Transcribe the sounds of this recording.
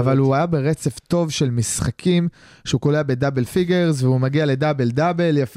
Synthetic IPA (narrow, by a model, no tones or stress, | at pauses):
avaluajabe̞ʁet͡se̞vt̪o̞vʃe̞lmisχakʰim | ʃeukoleabe̞d̪abe̞lfiɡe̞ʁzveumaɡiale̞d̪abeld̪abeljaf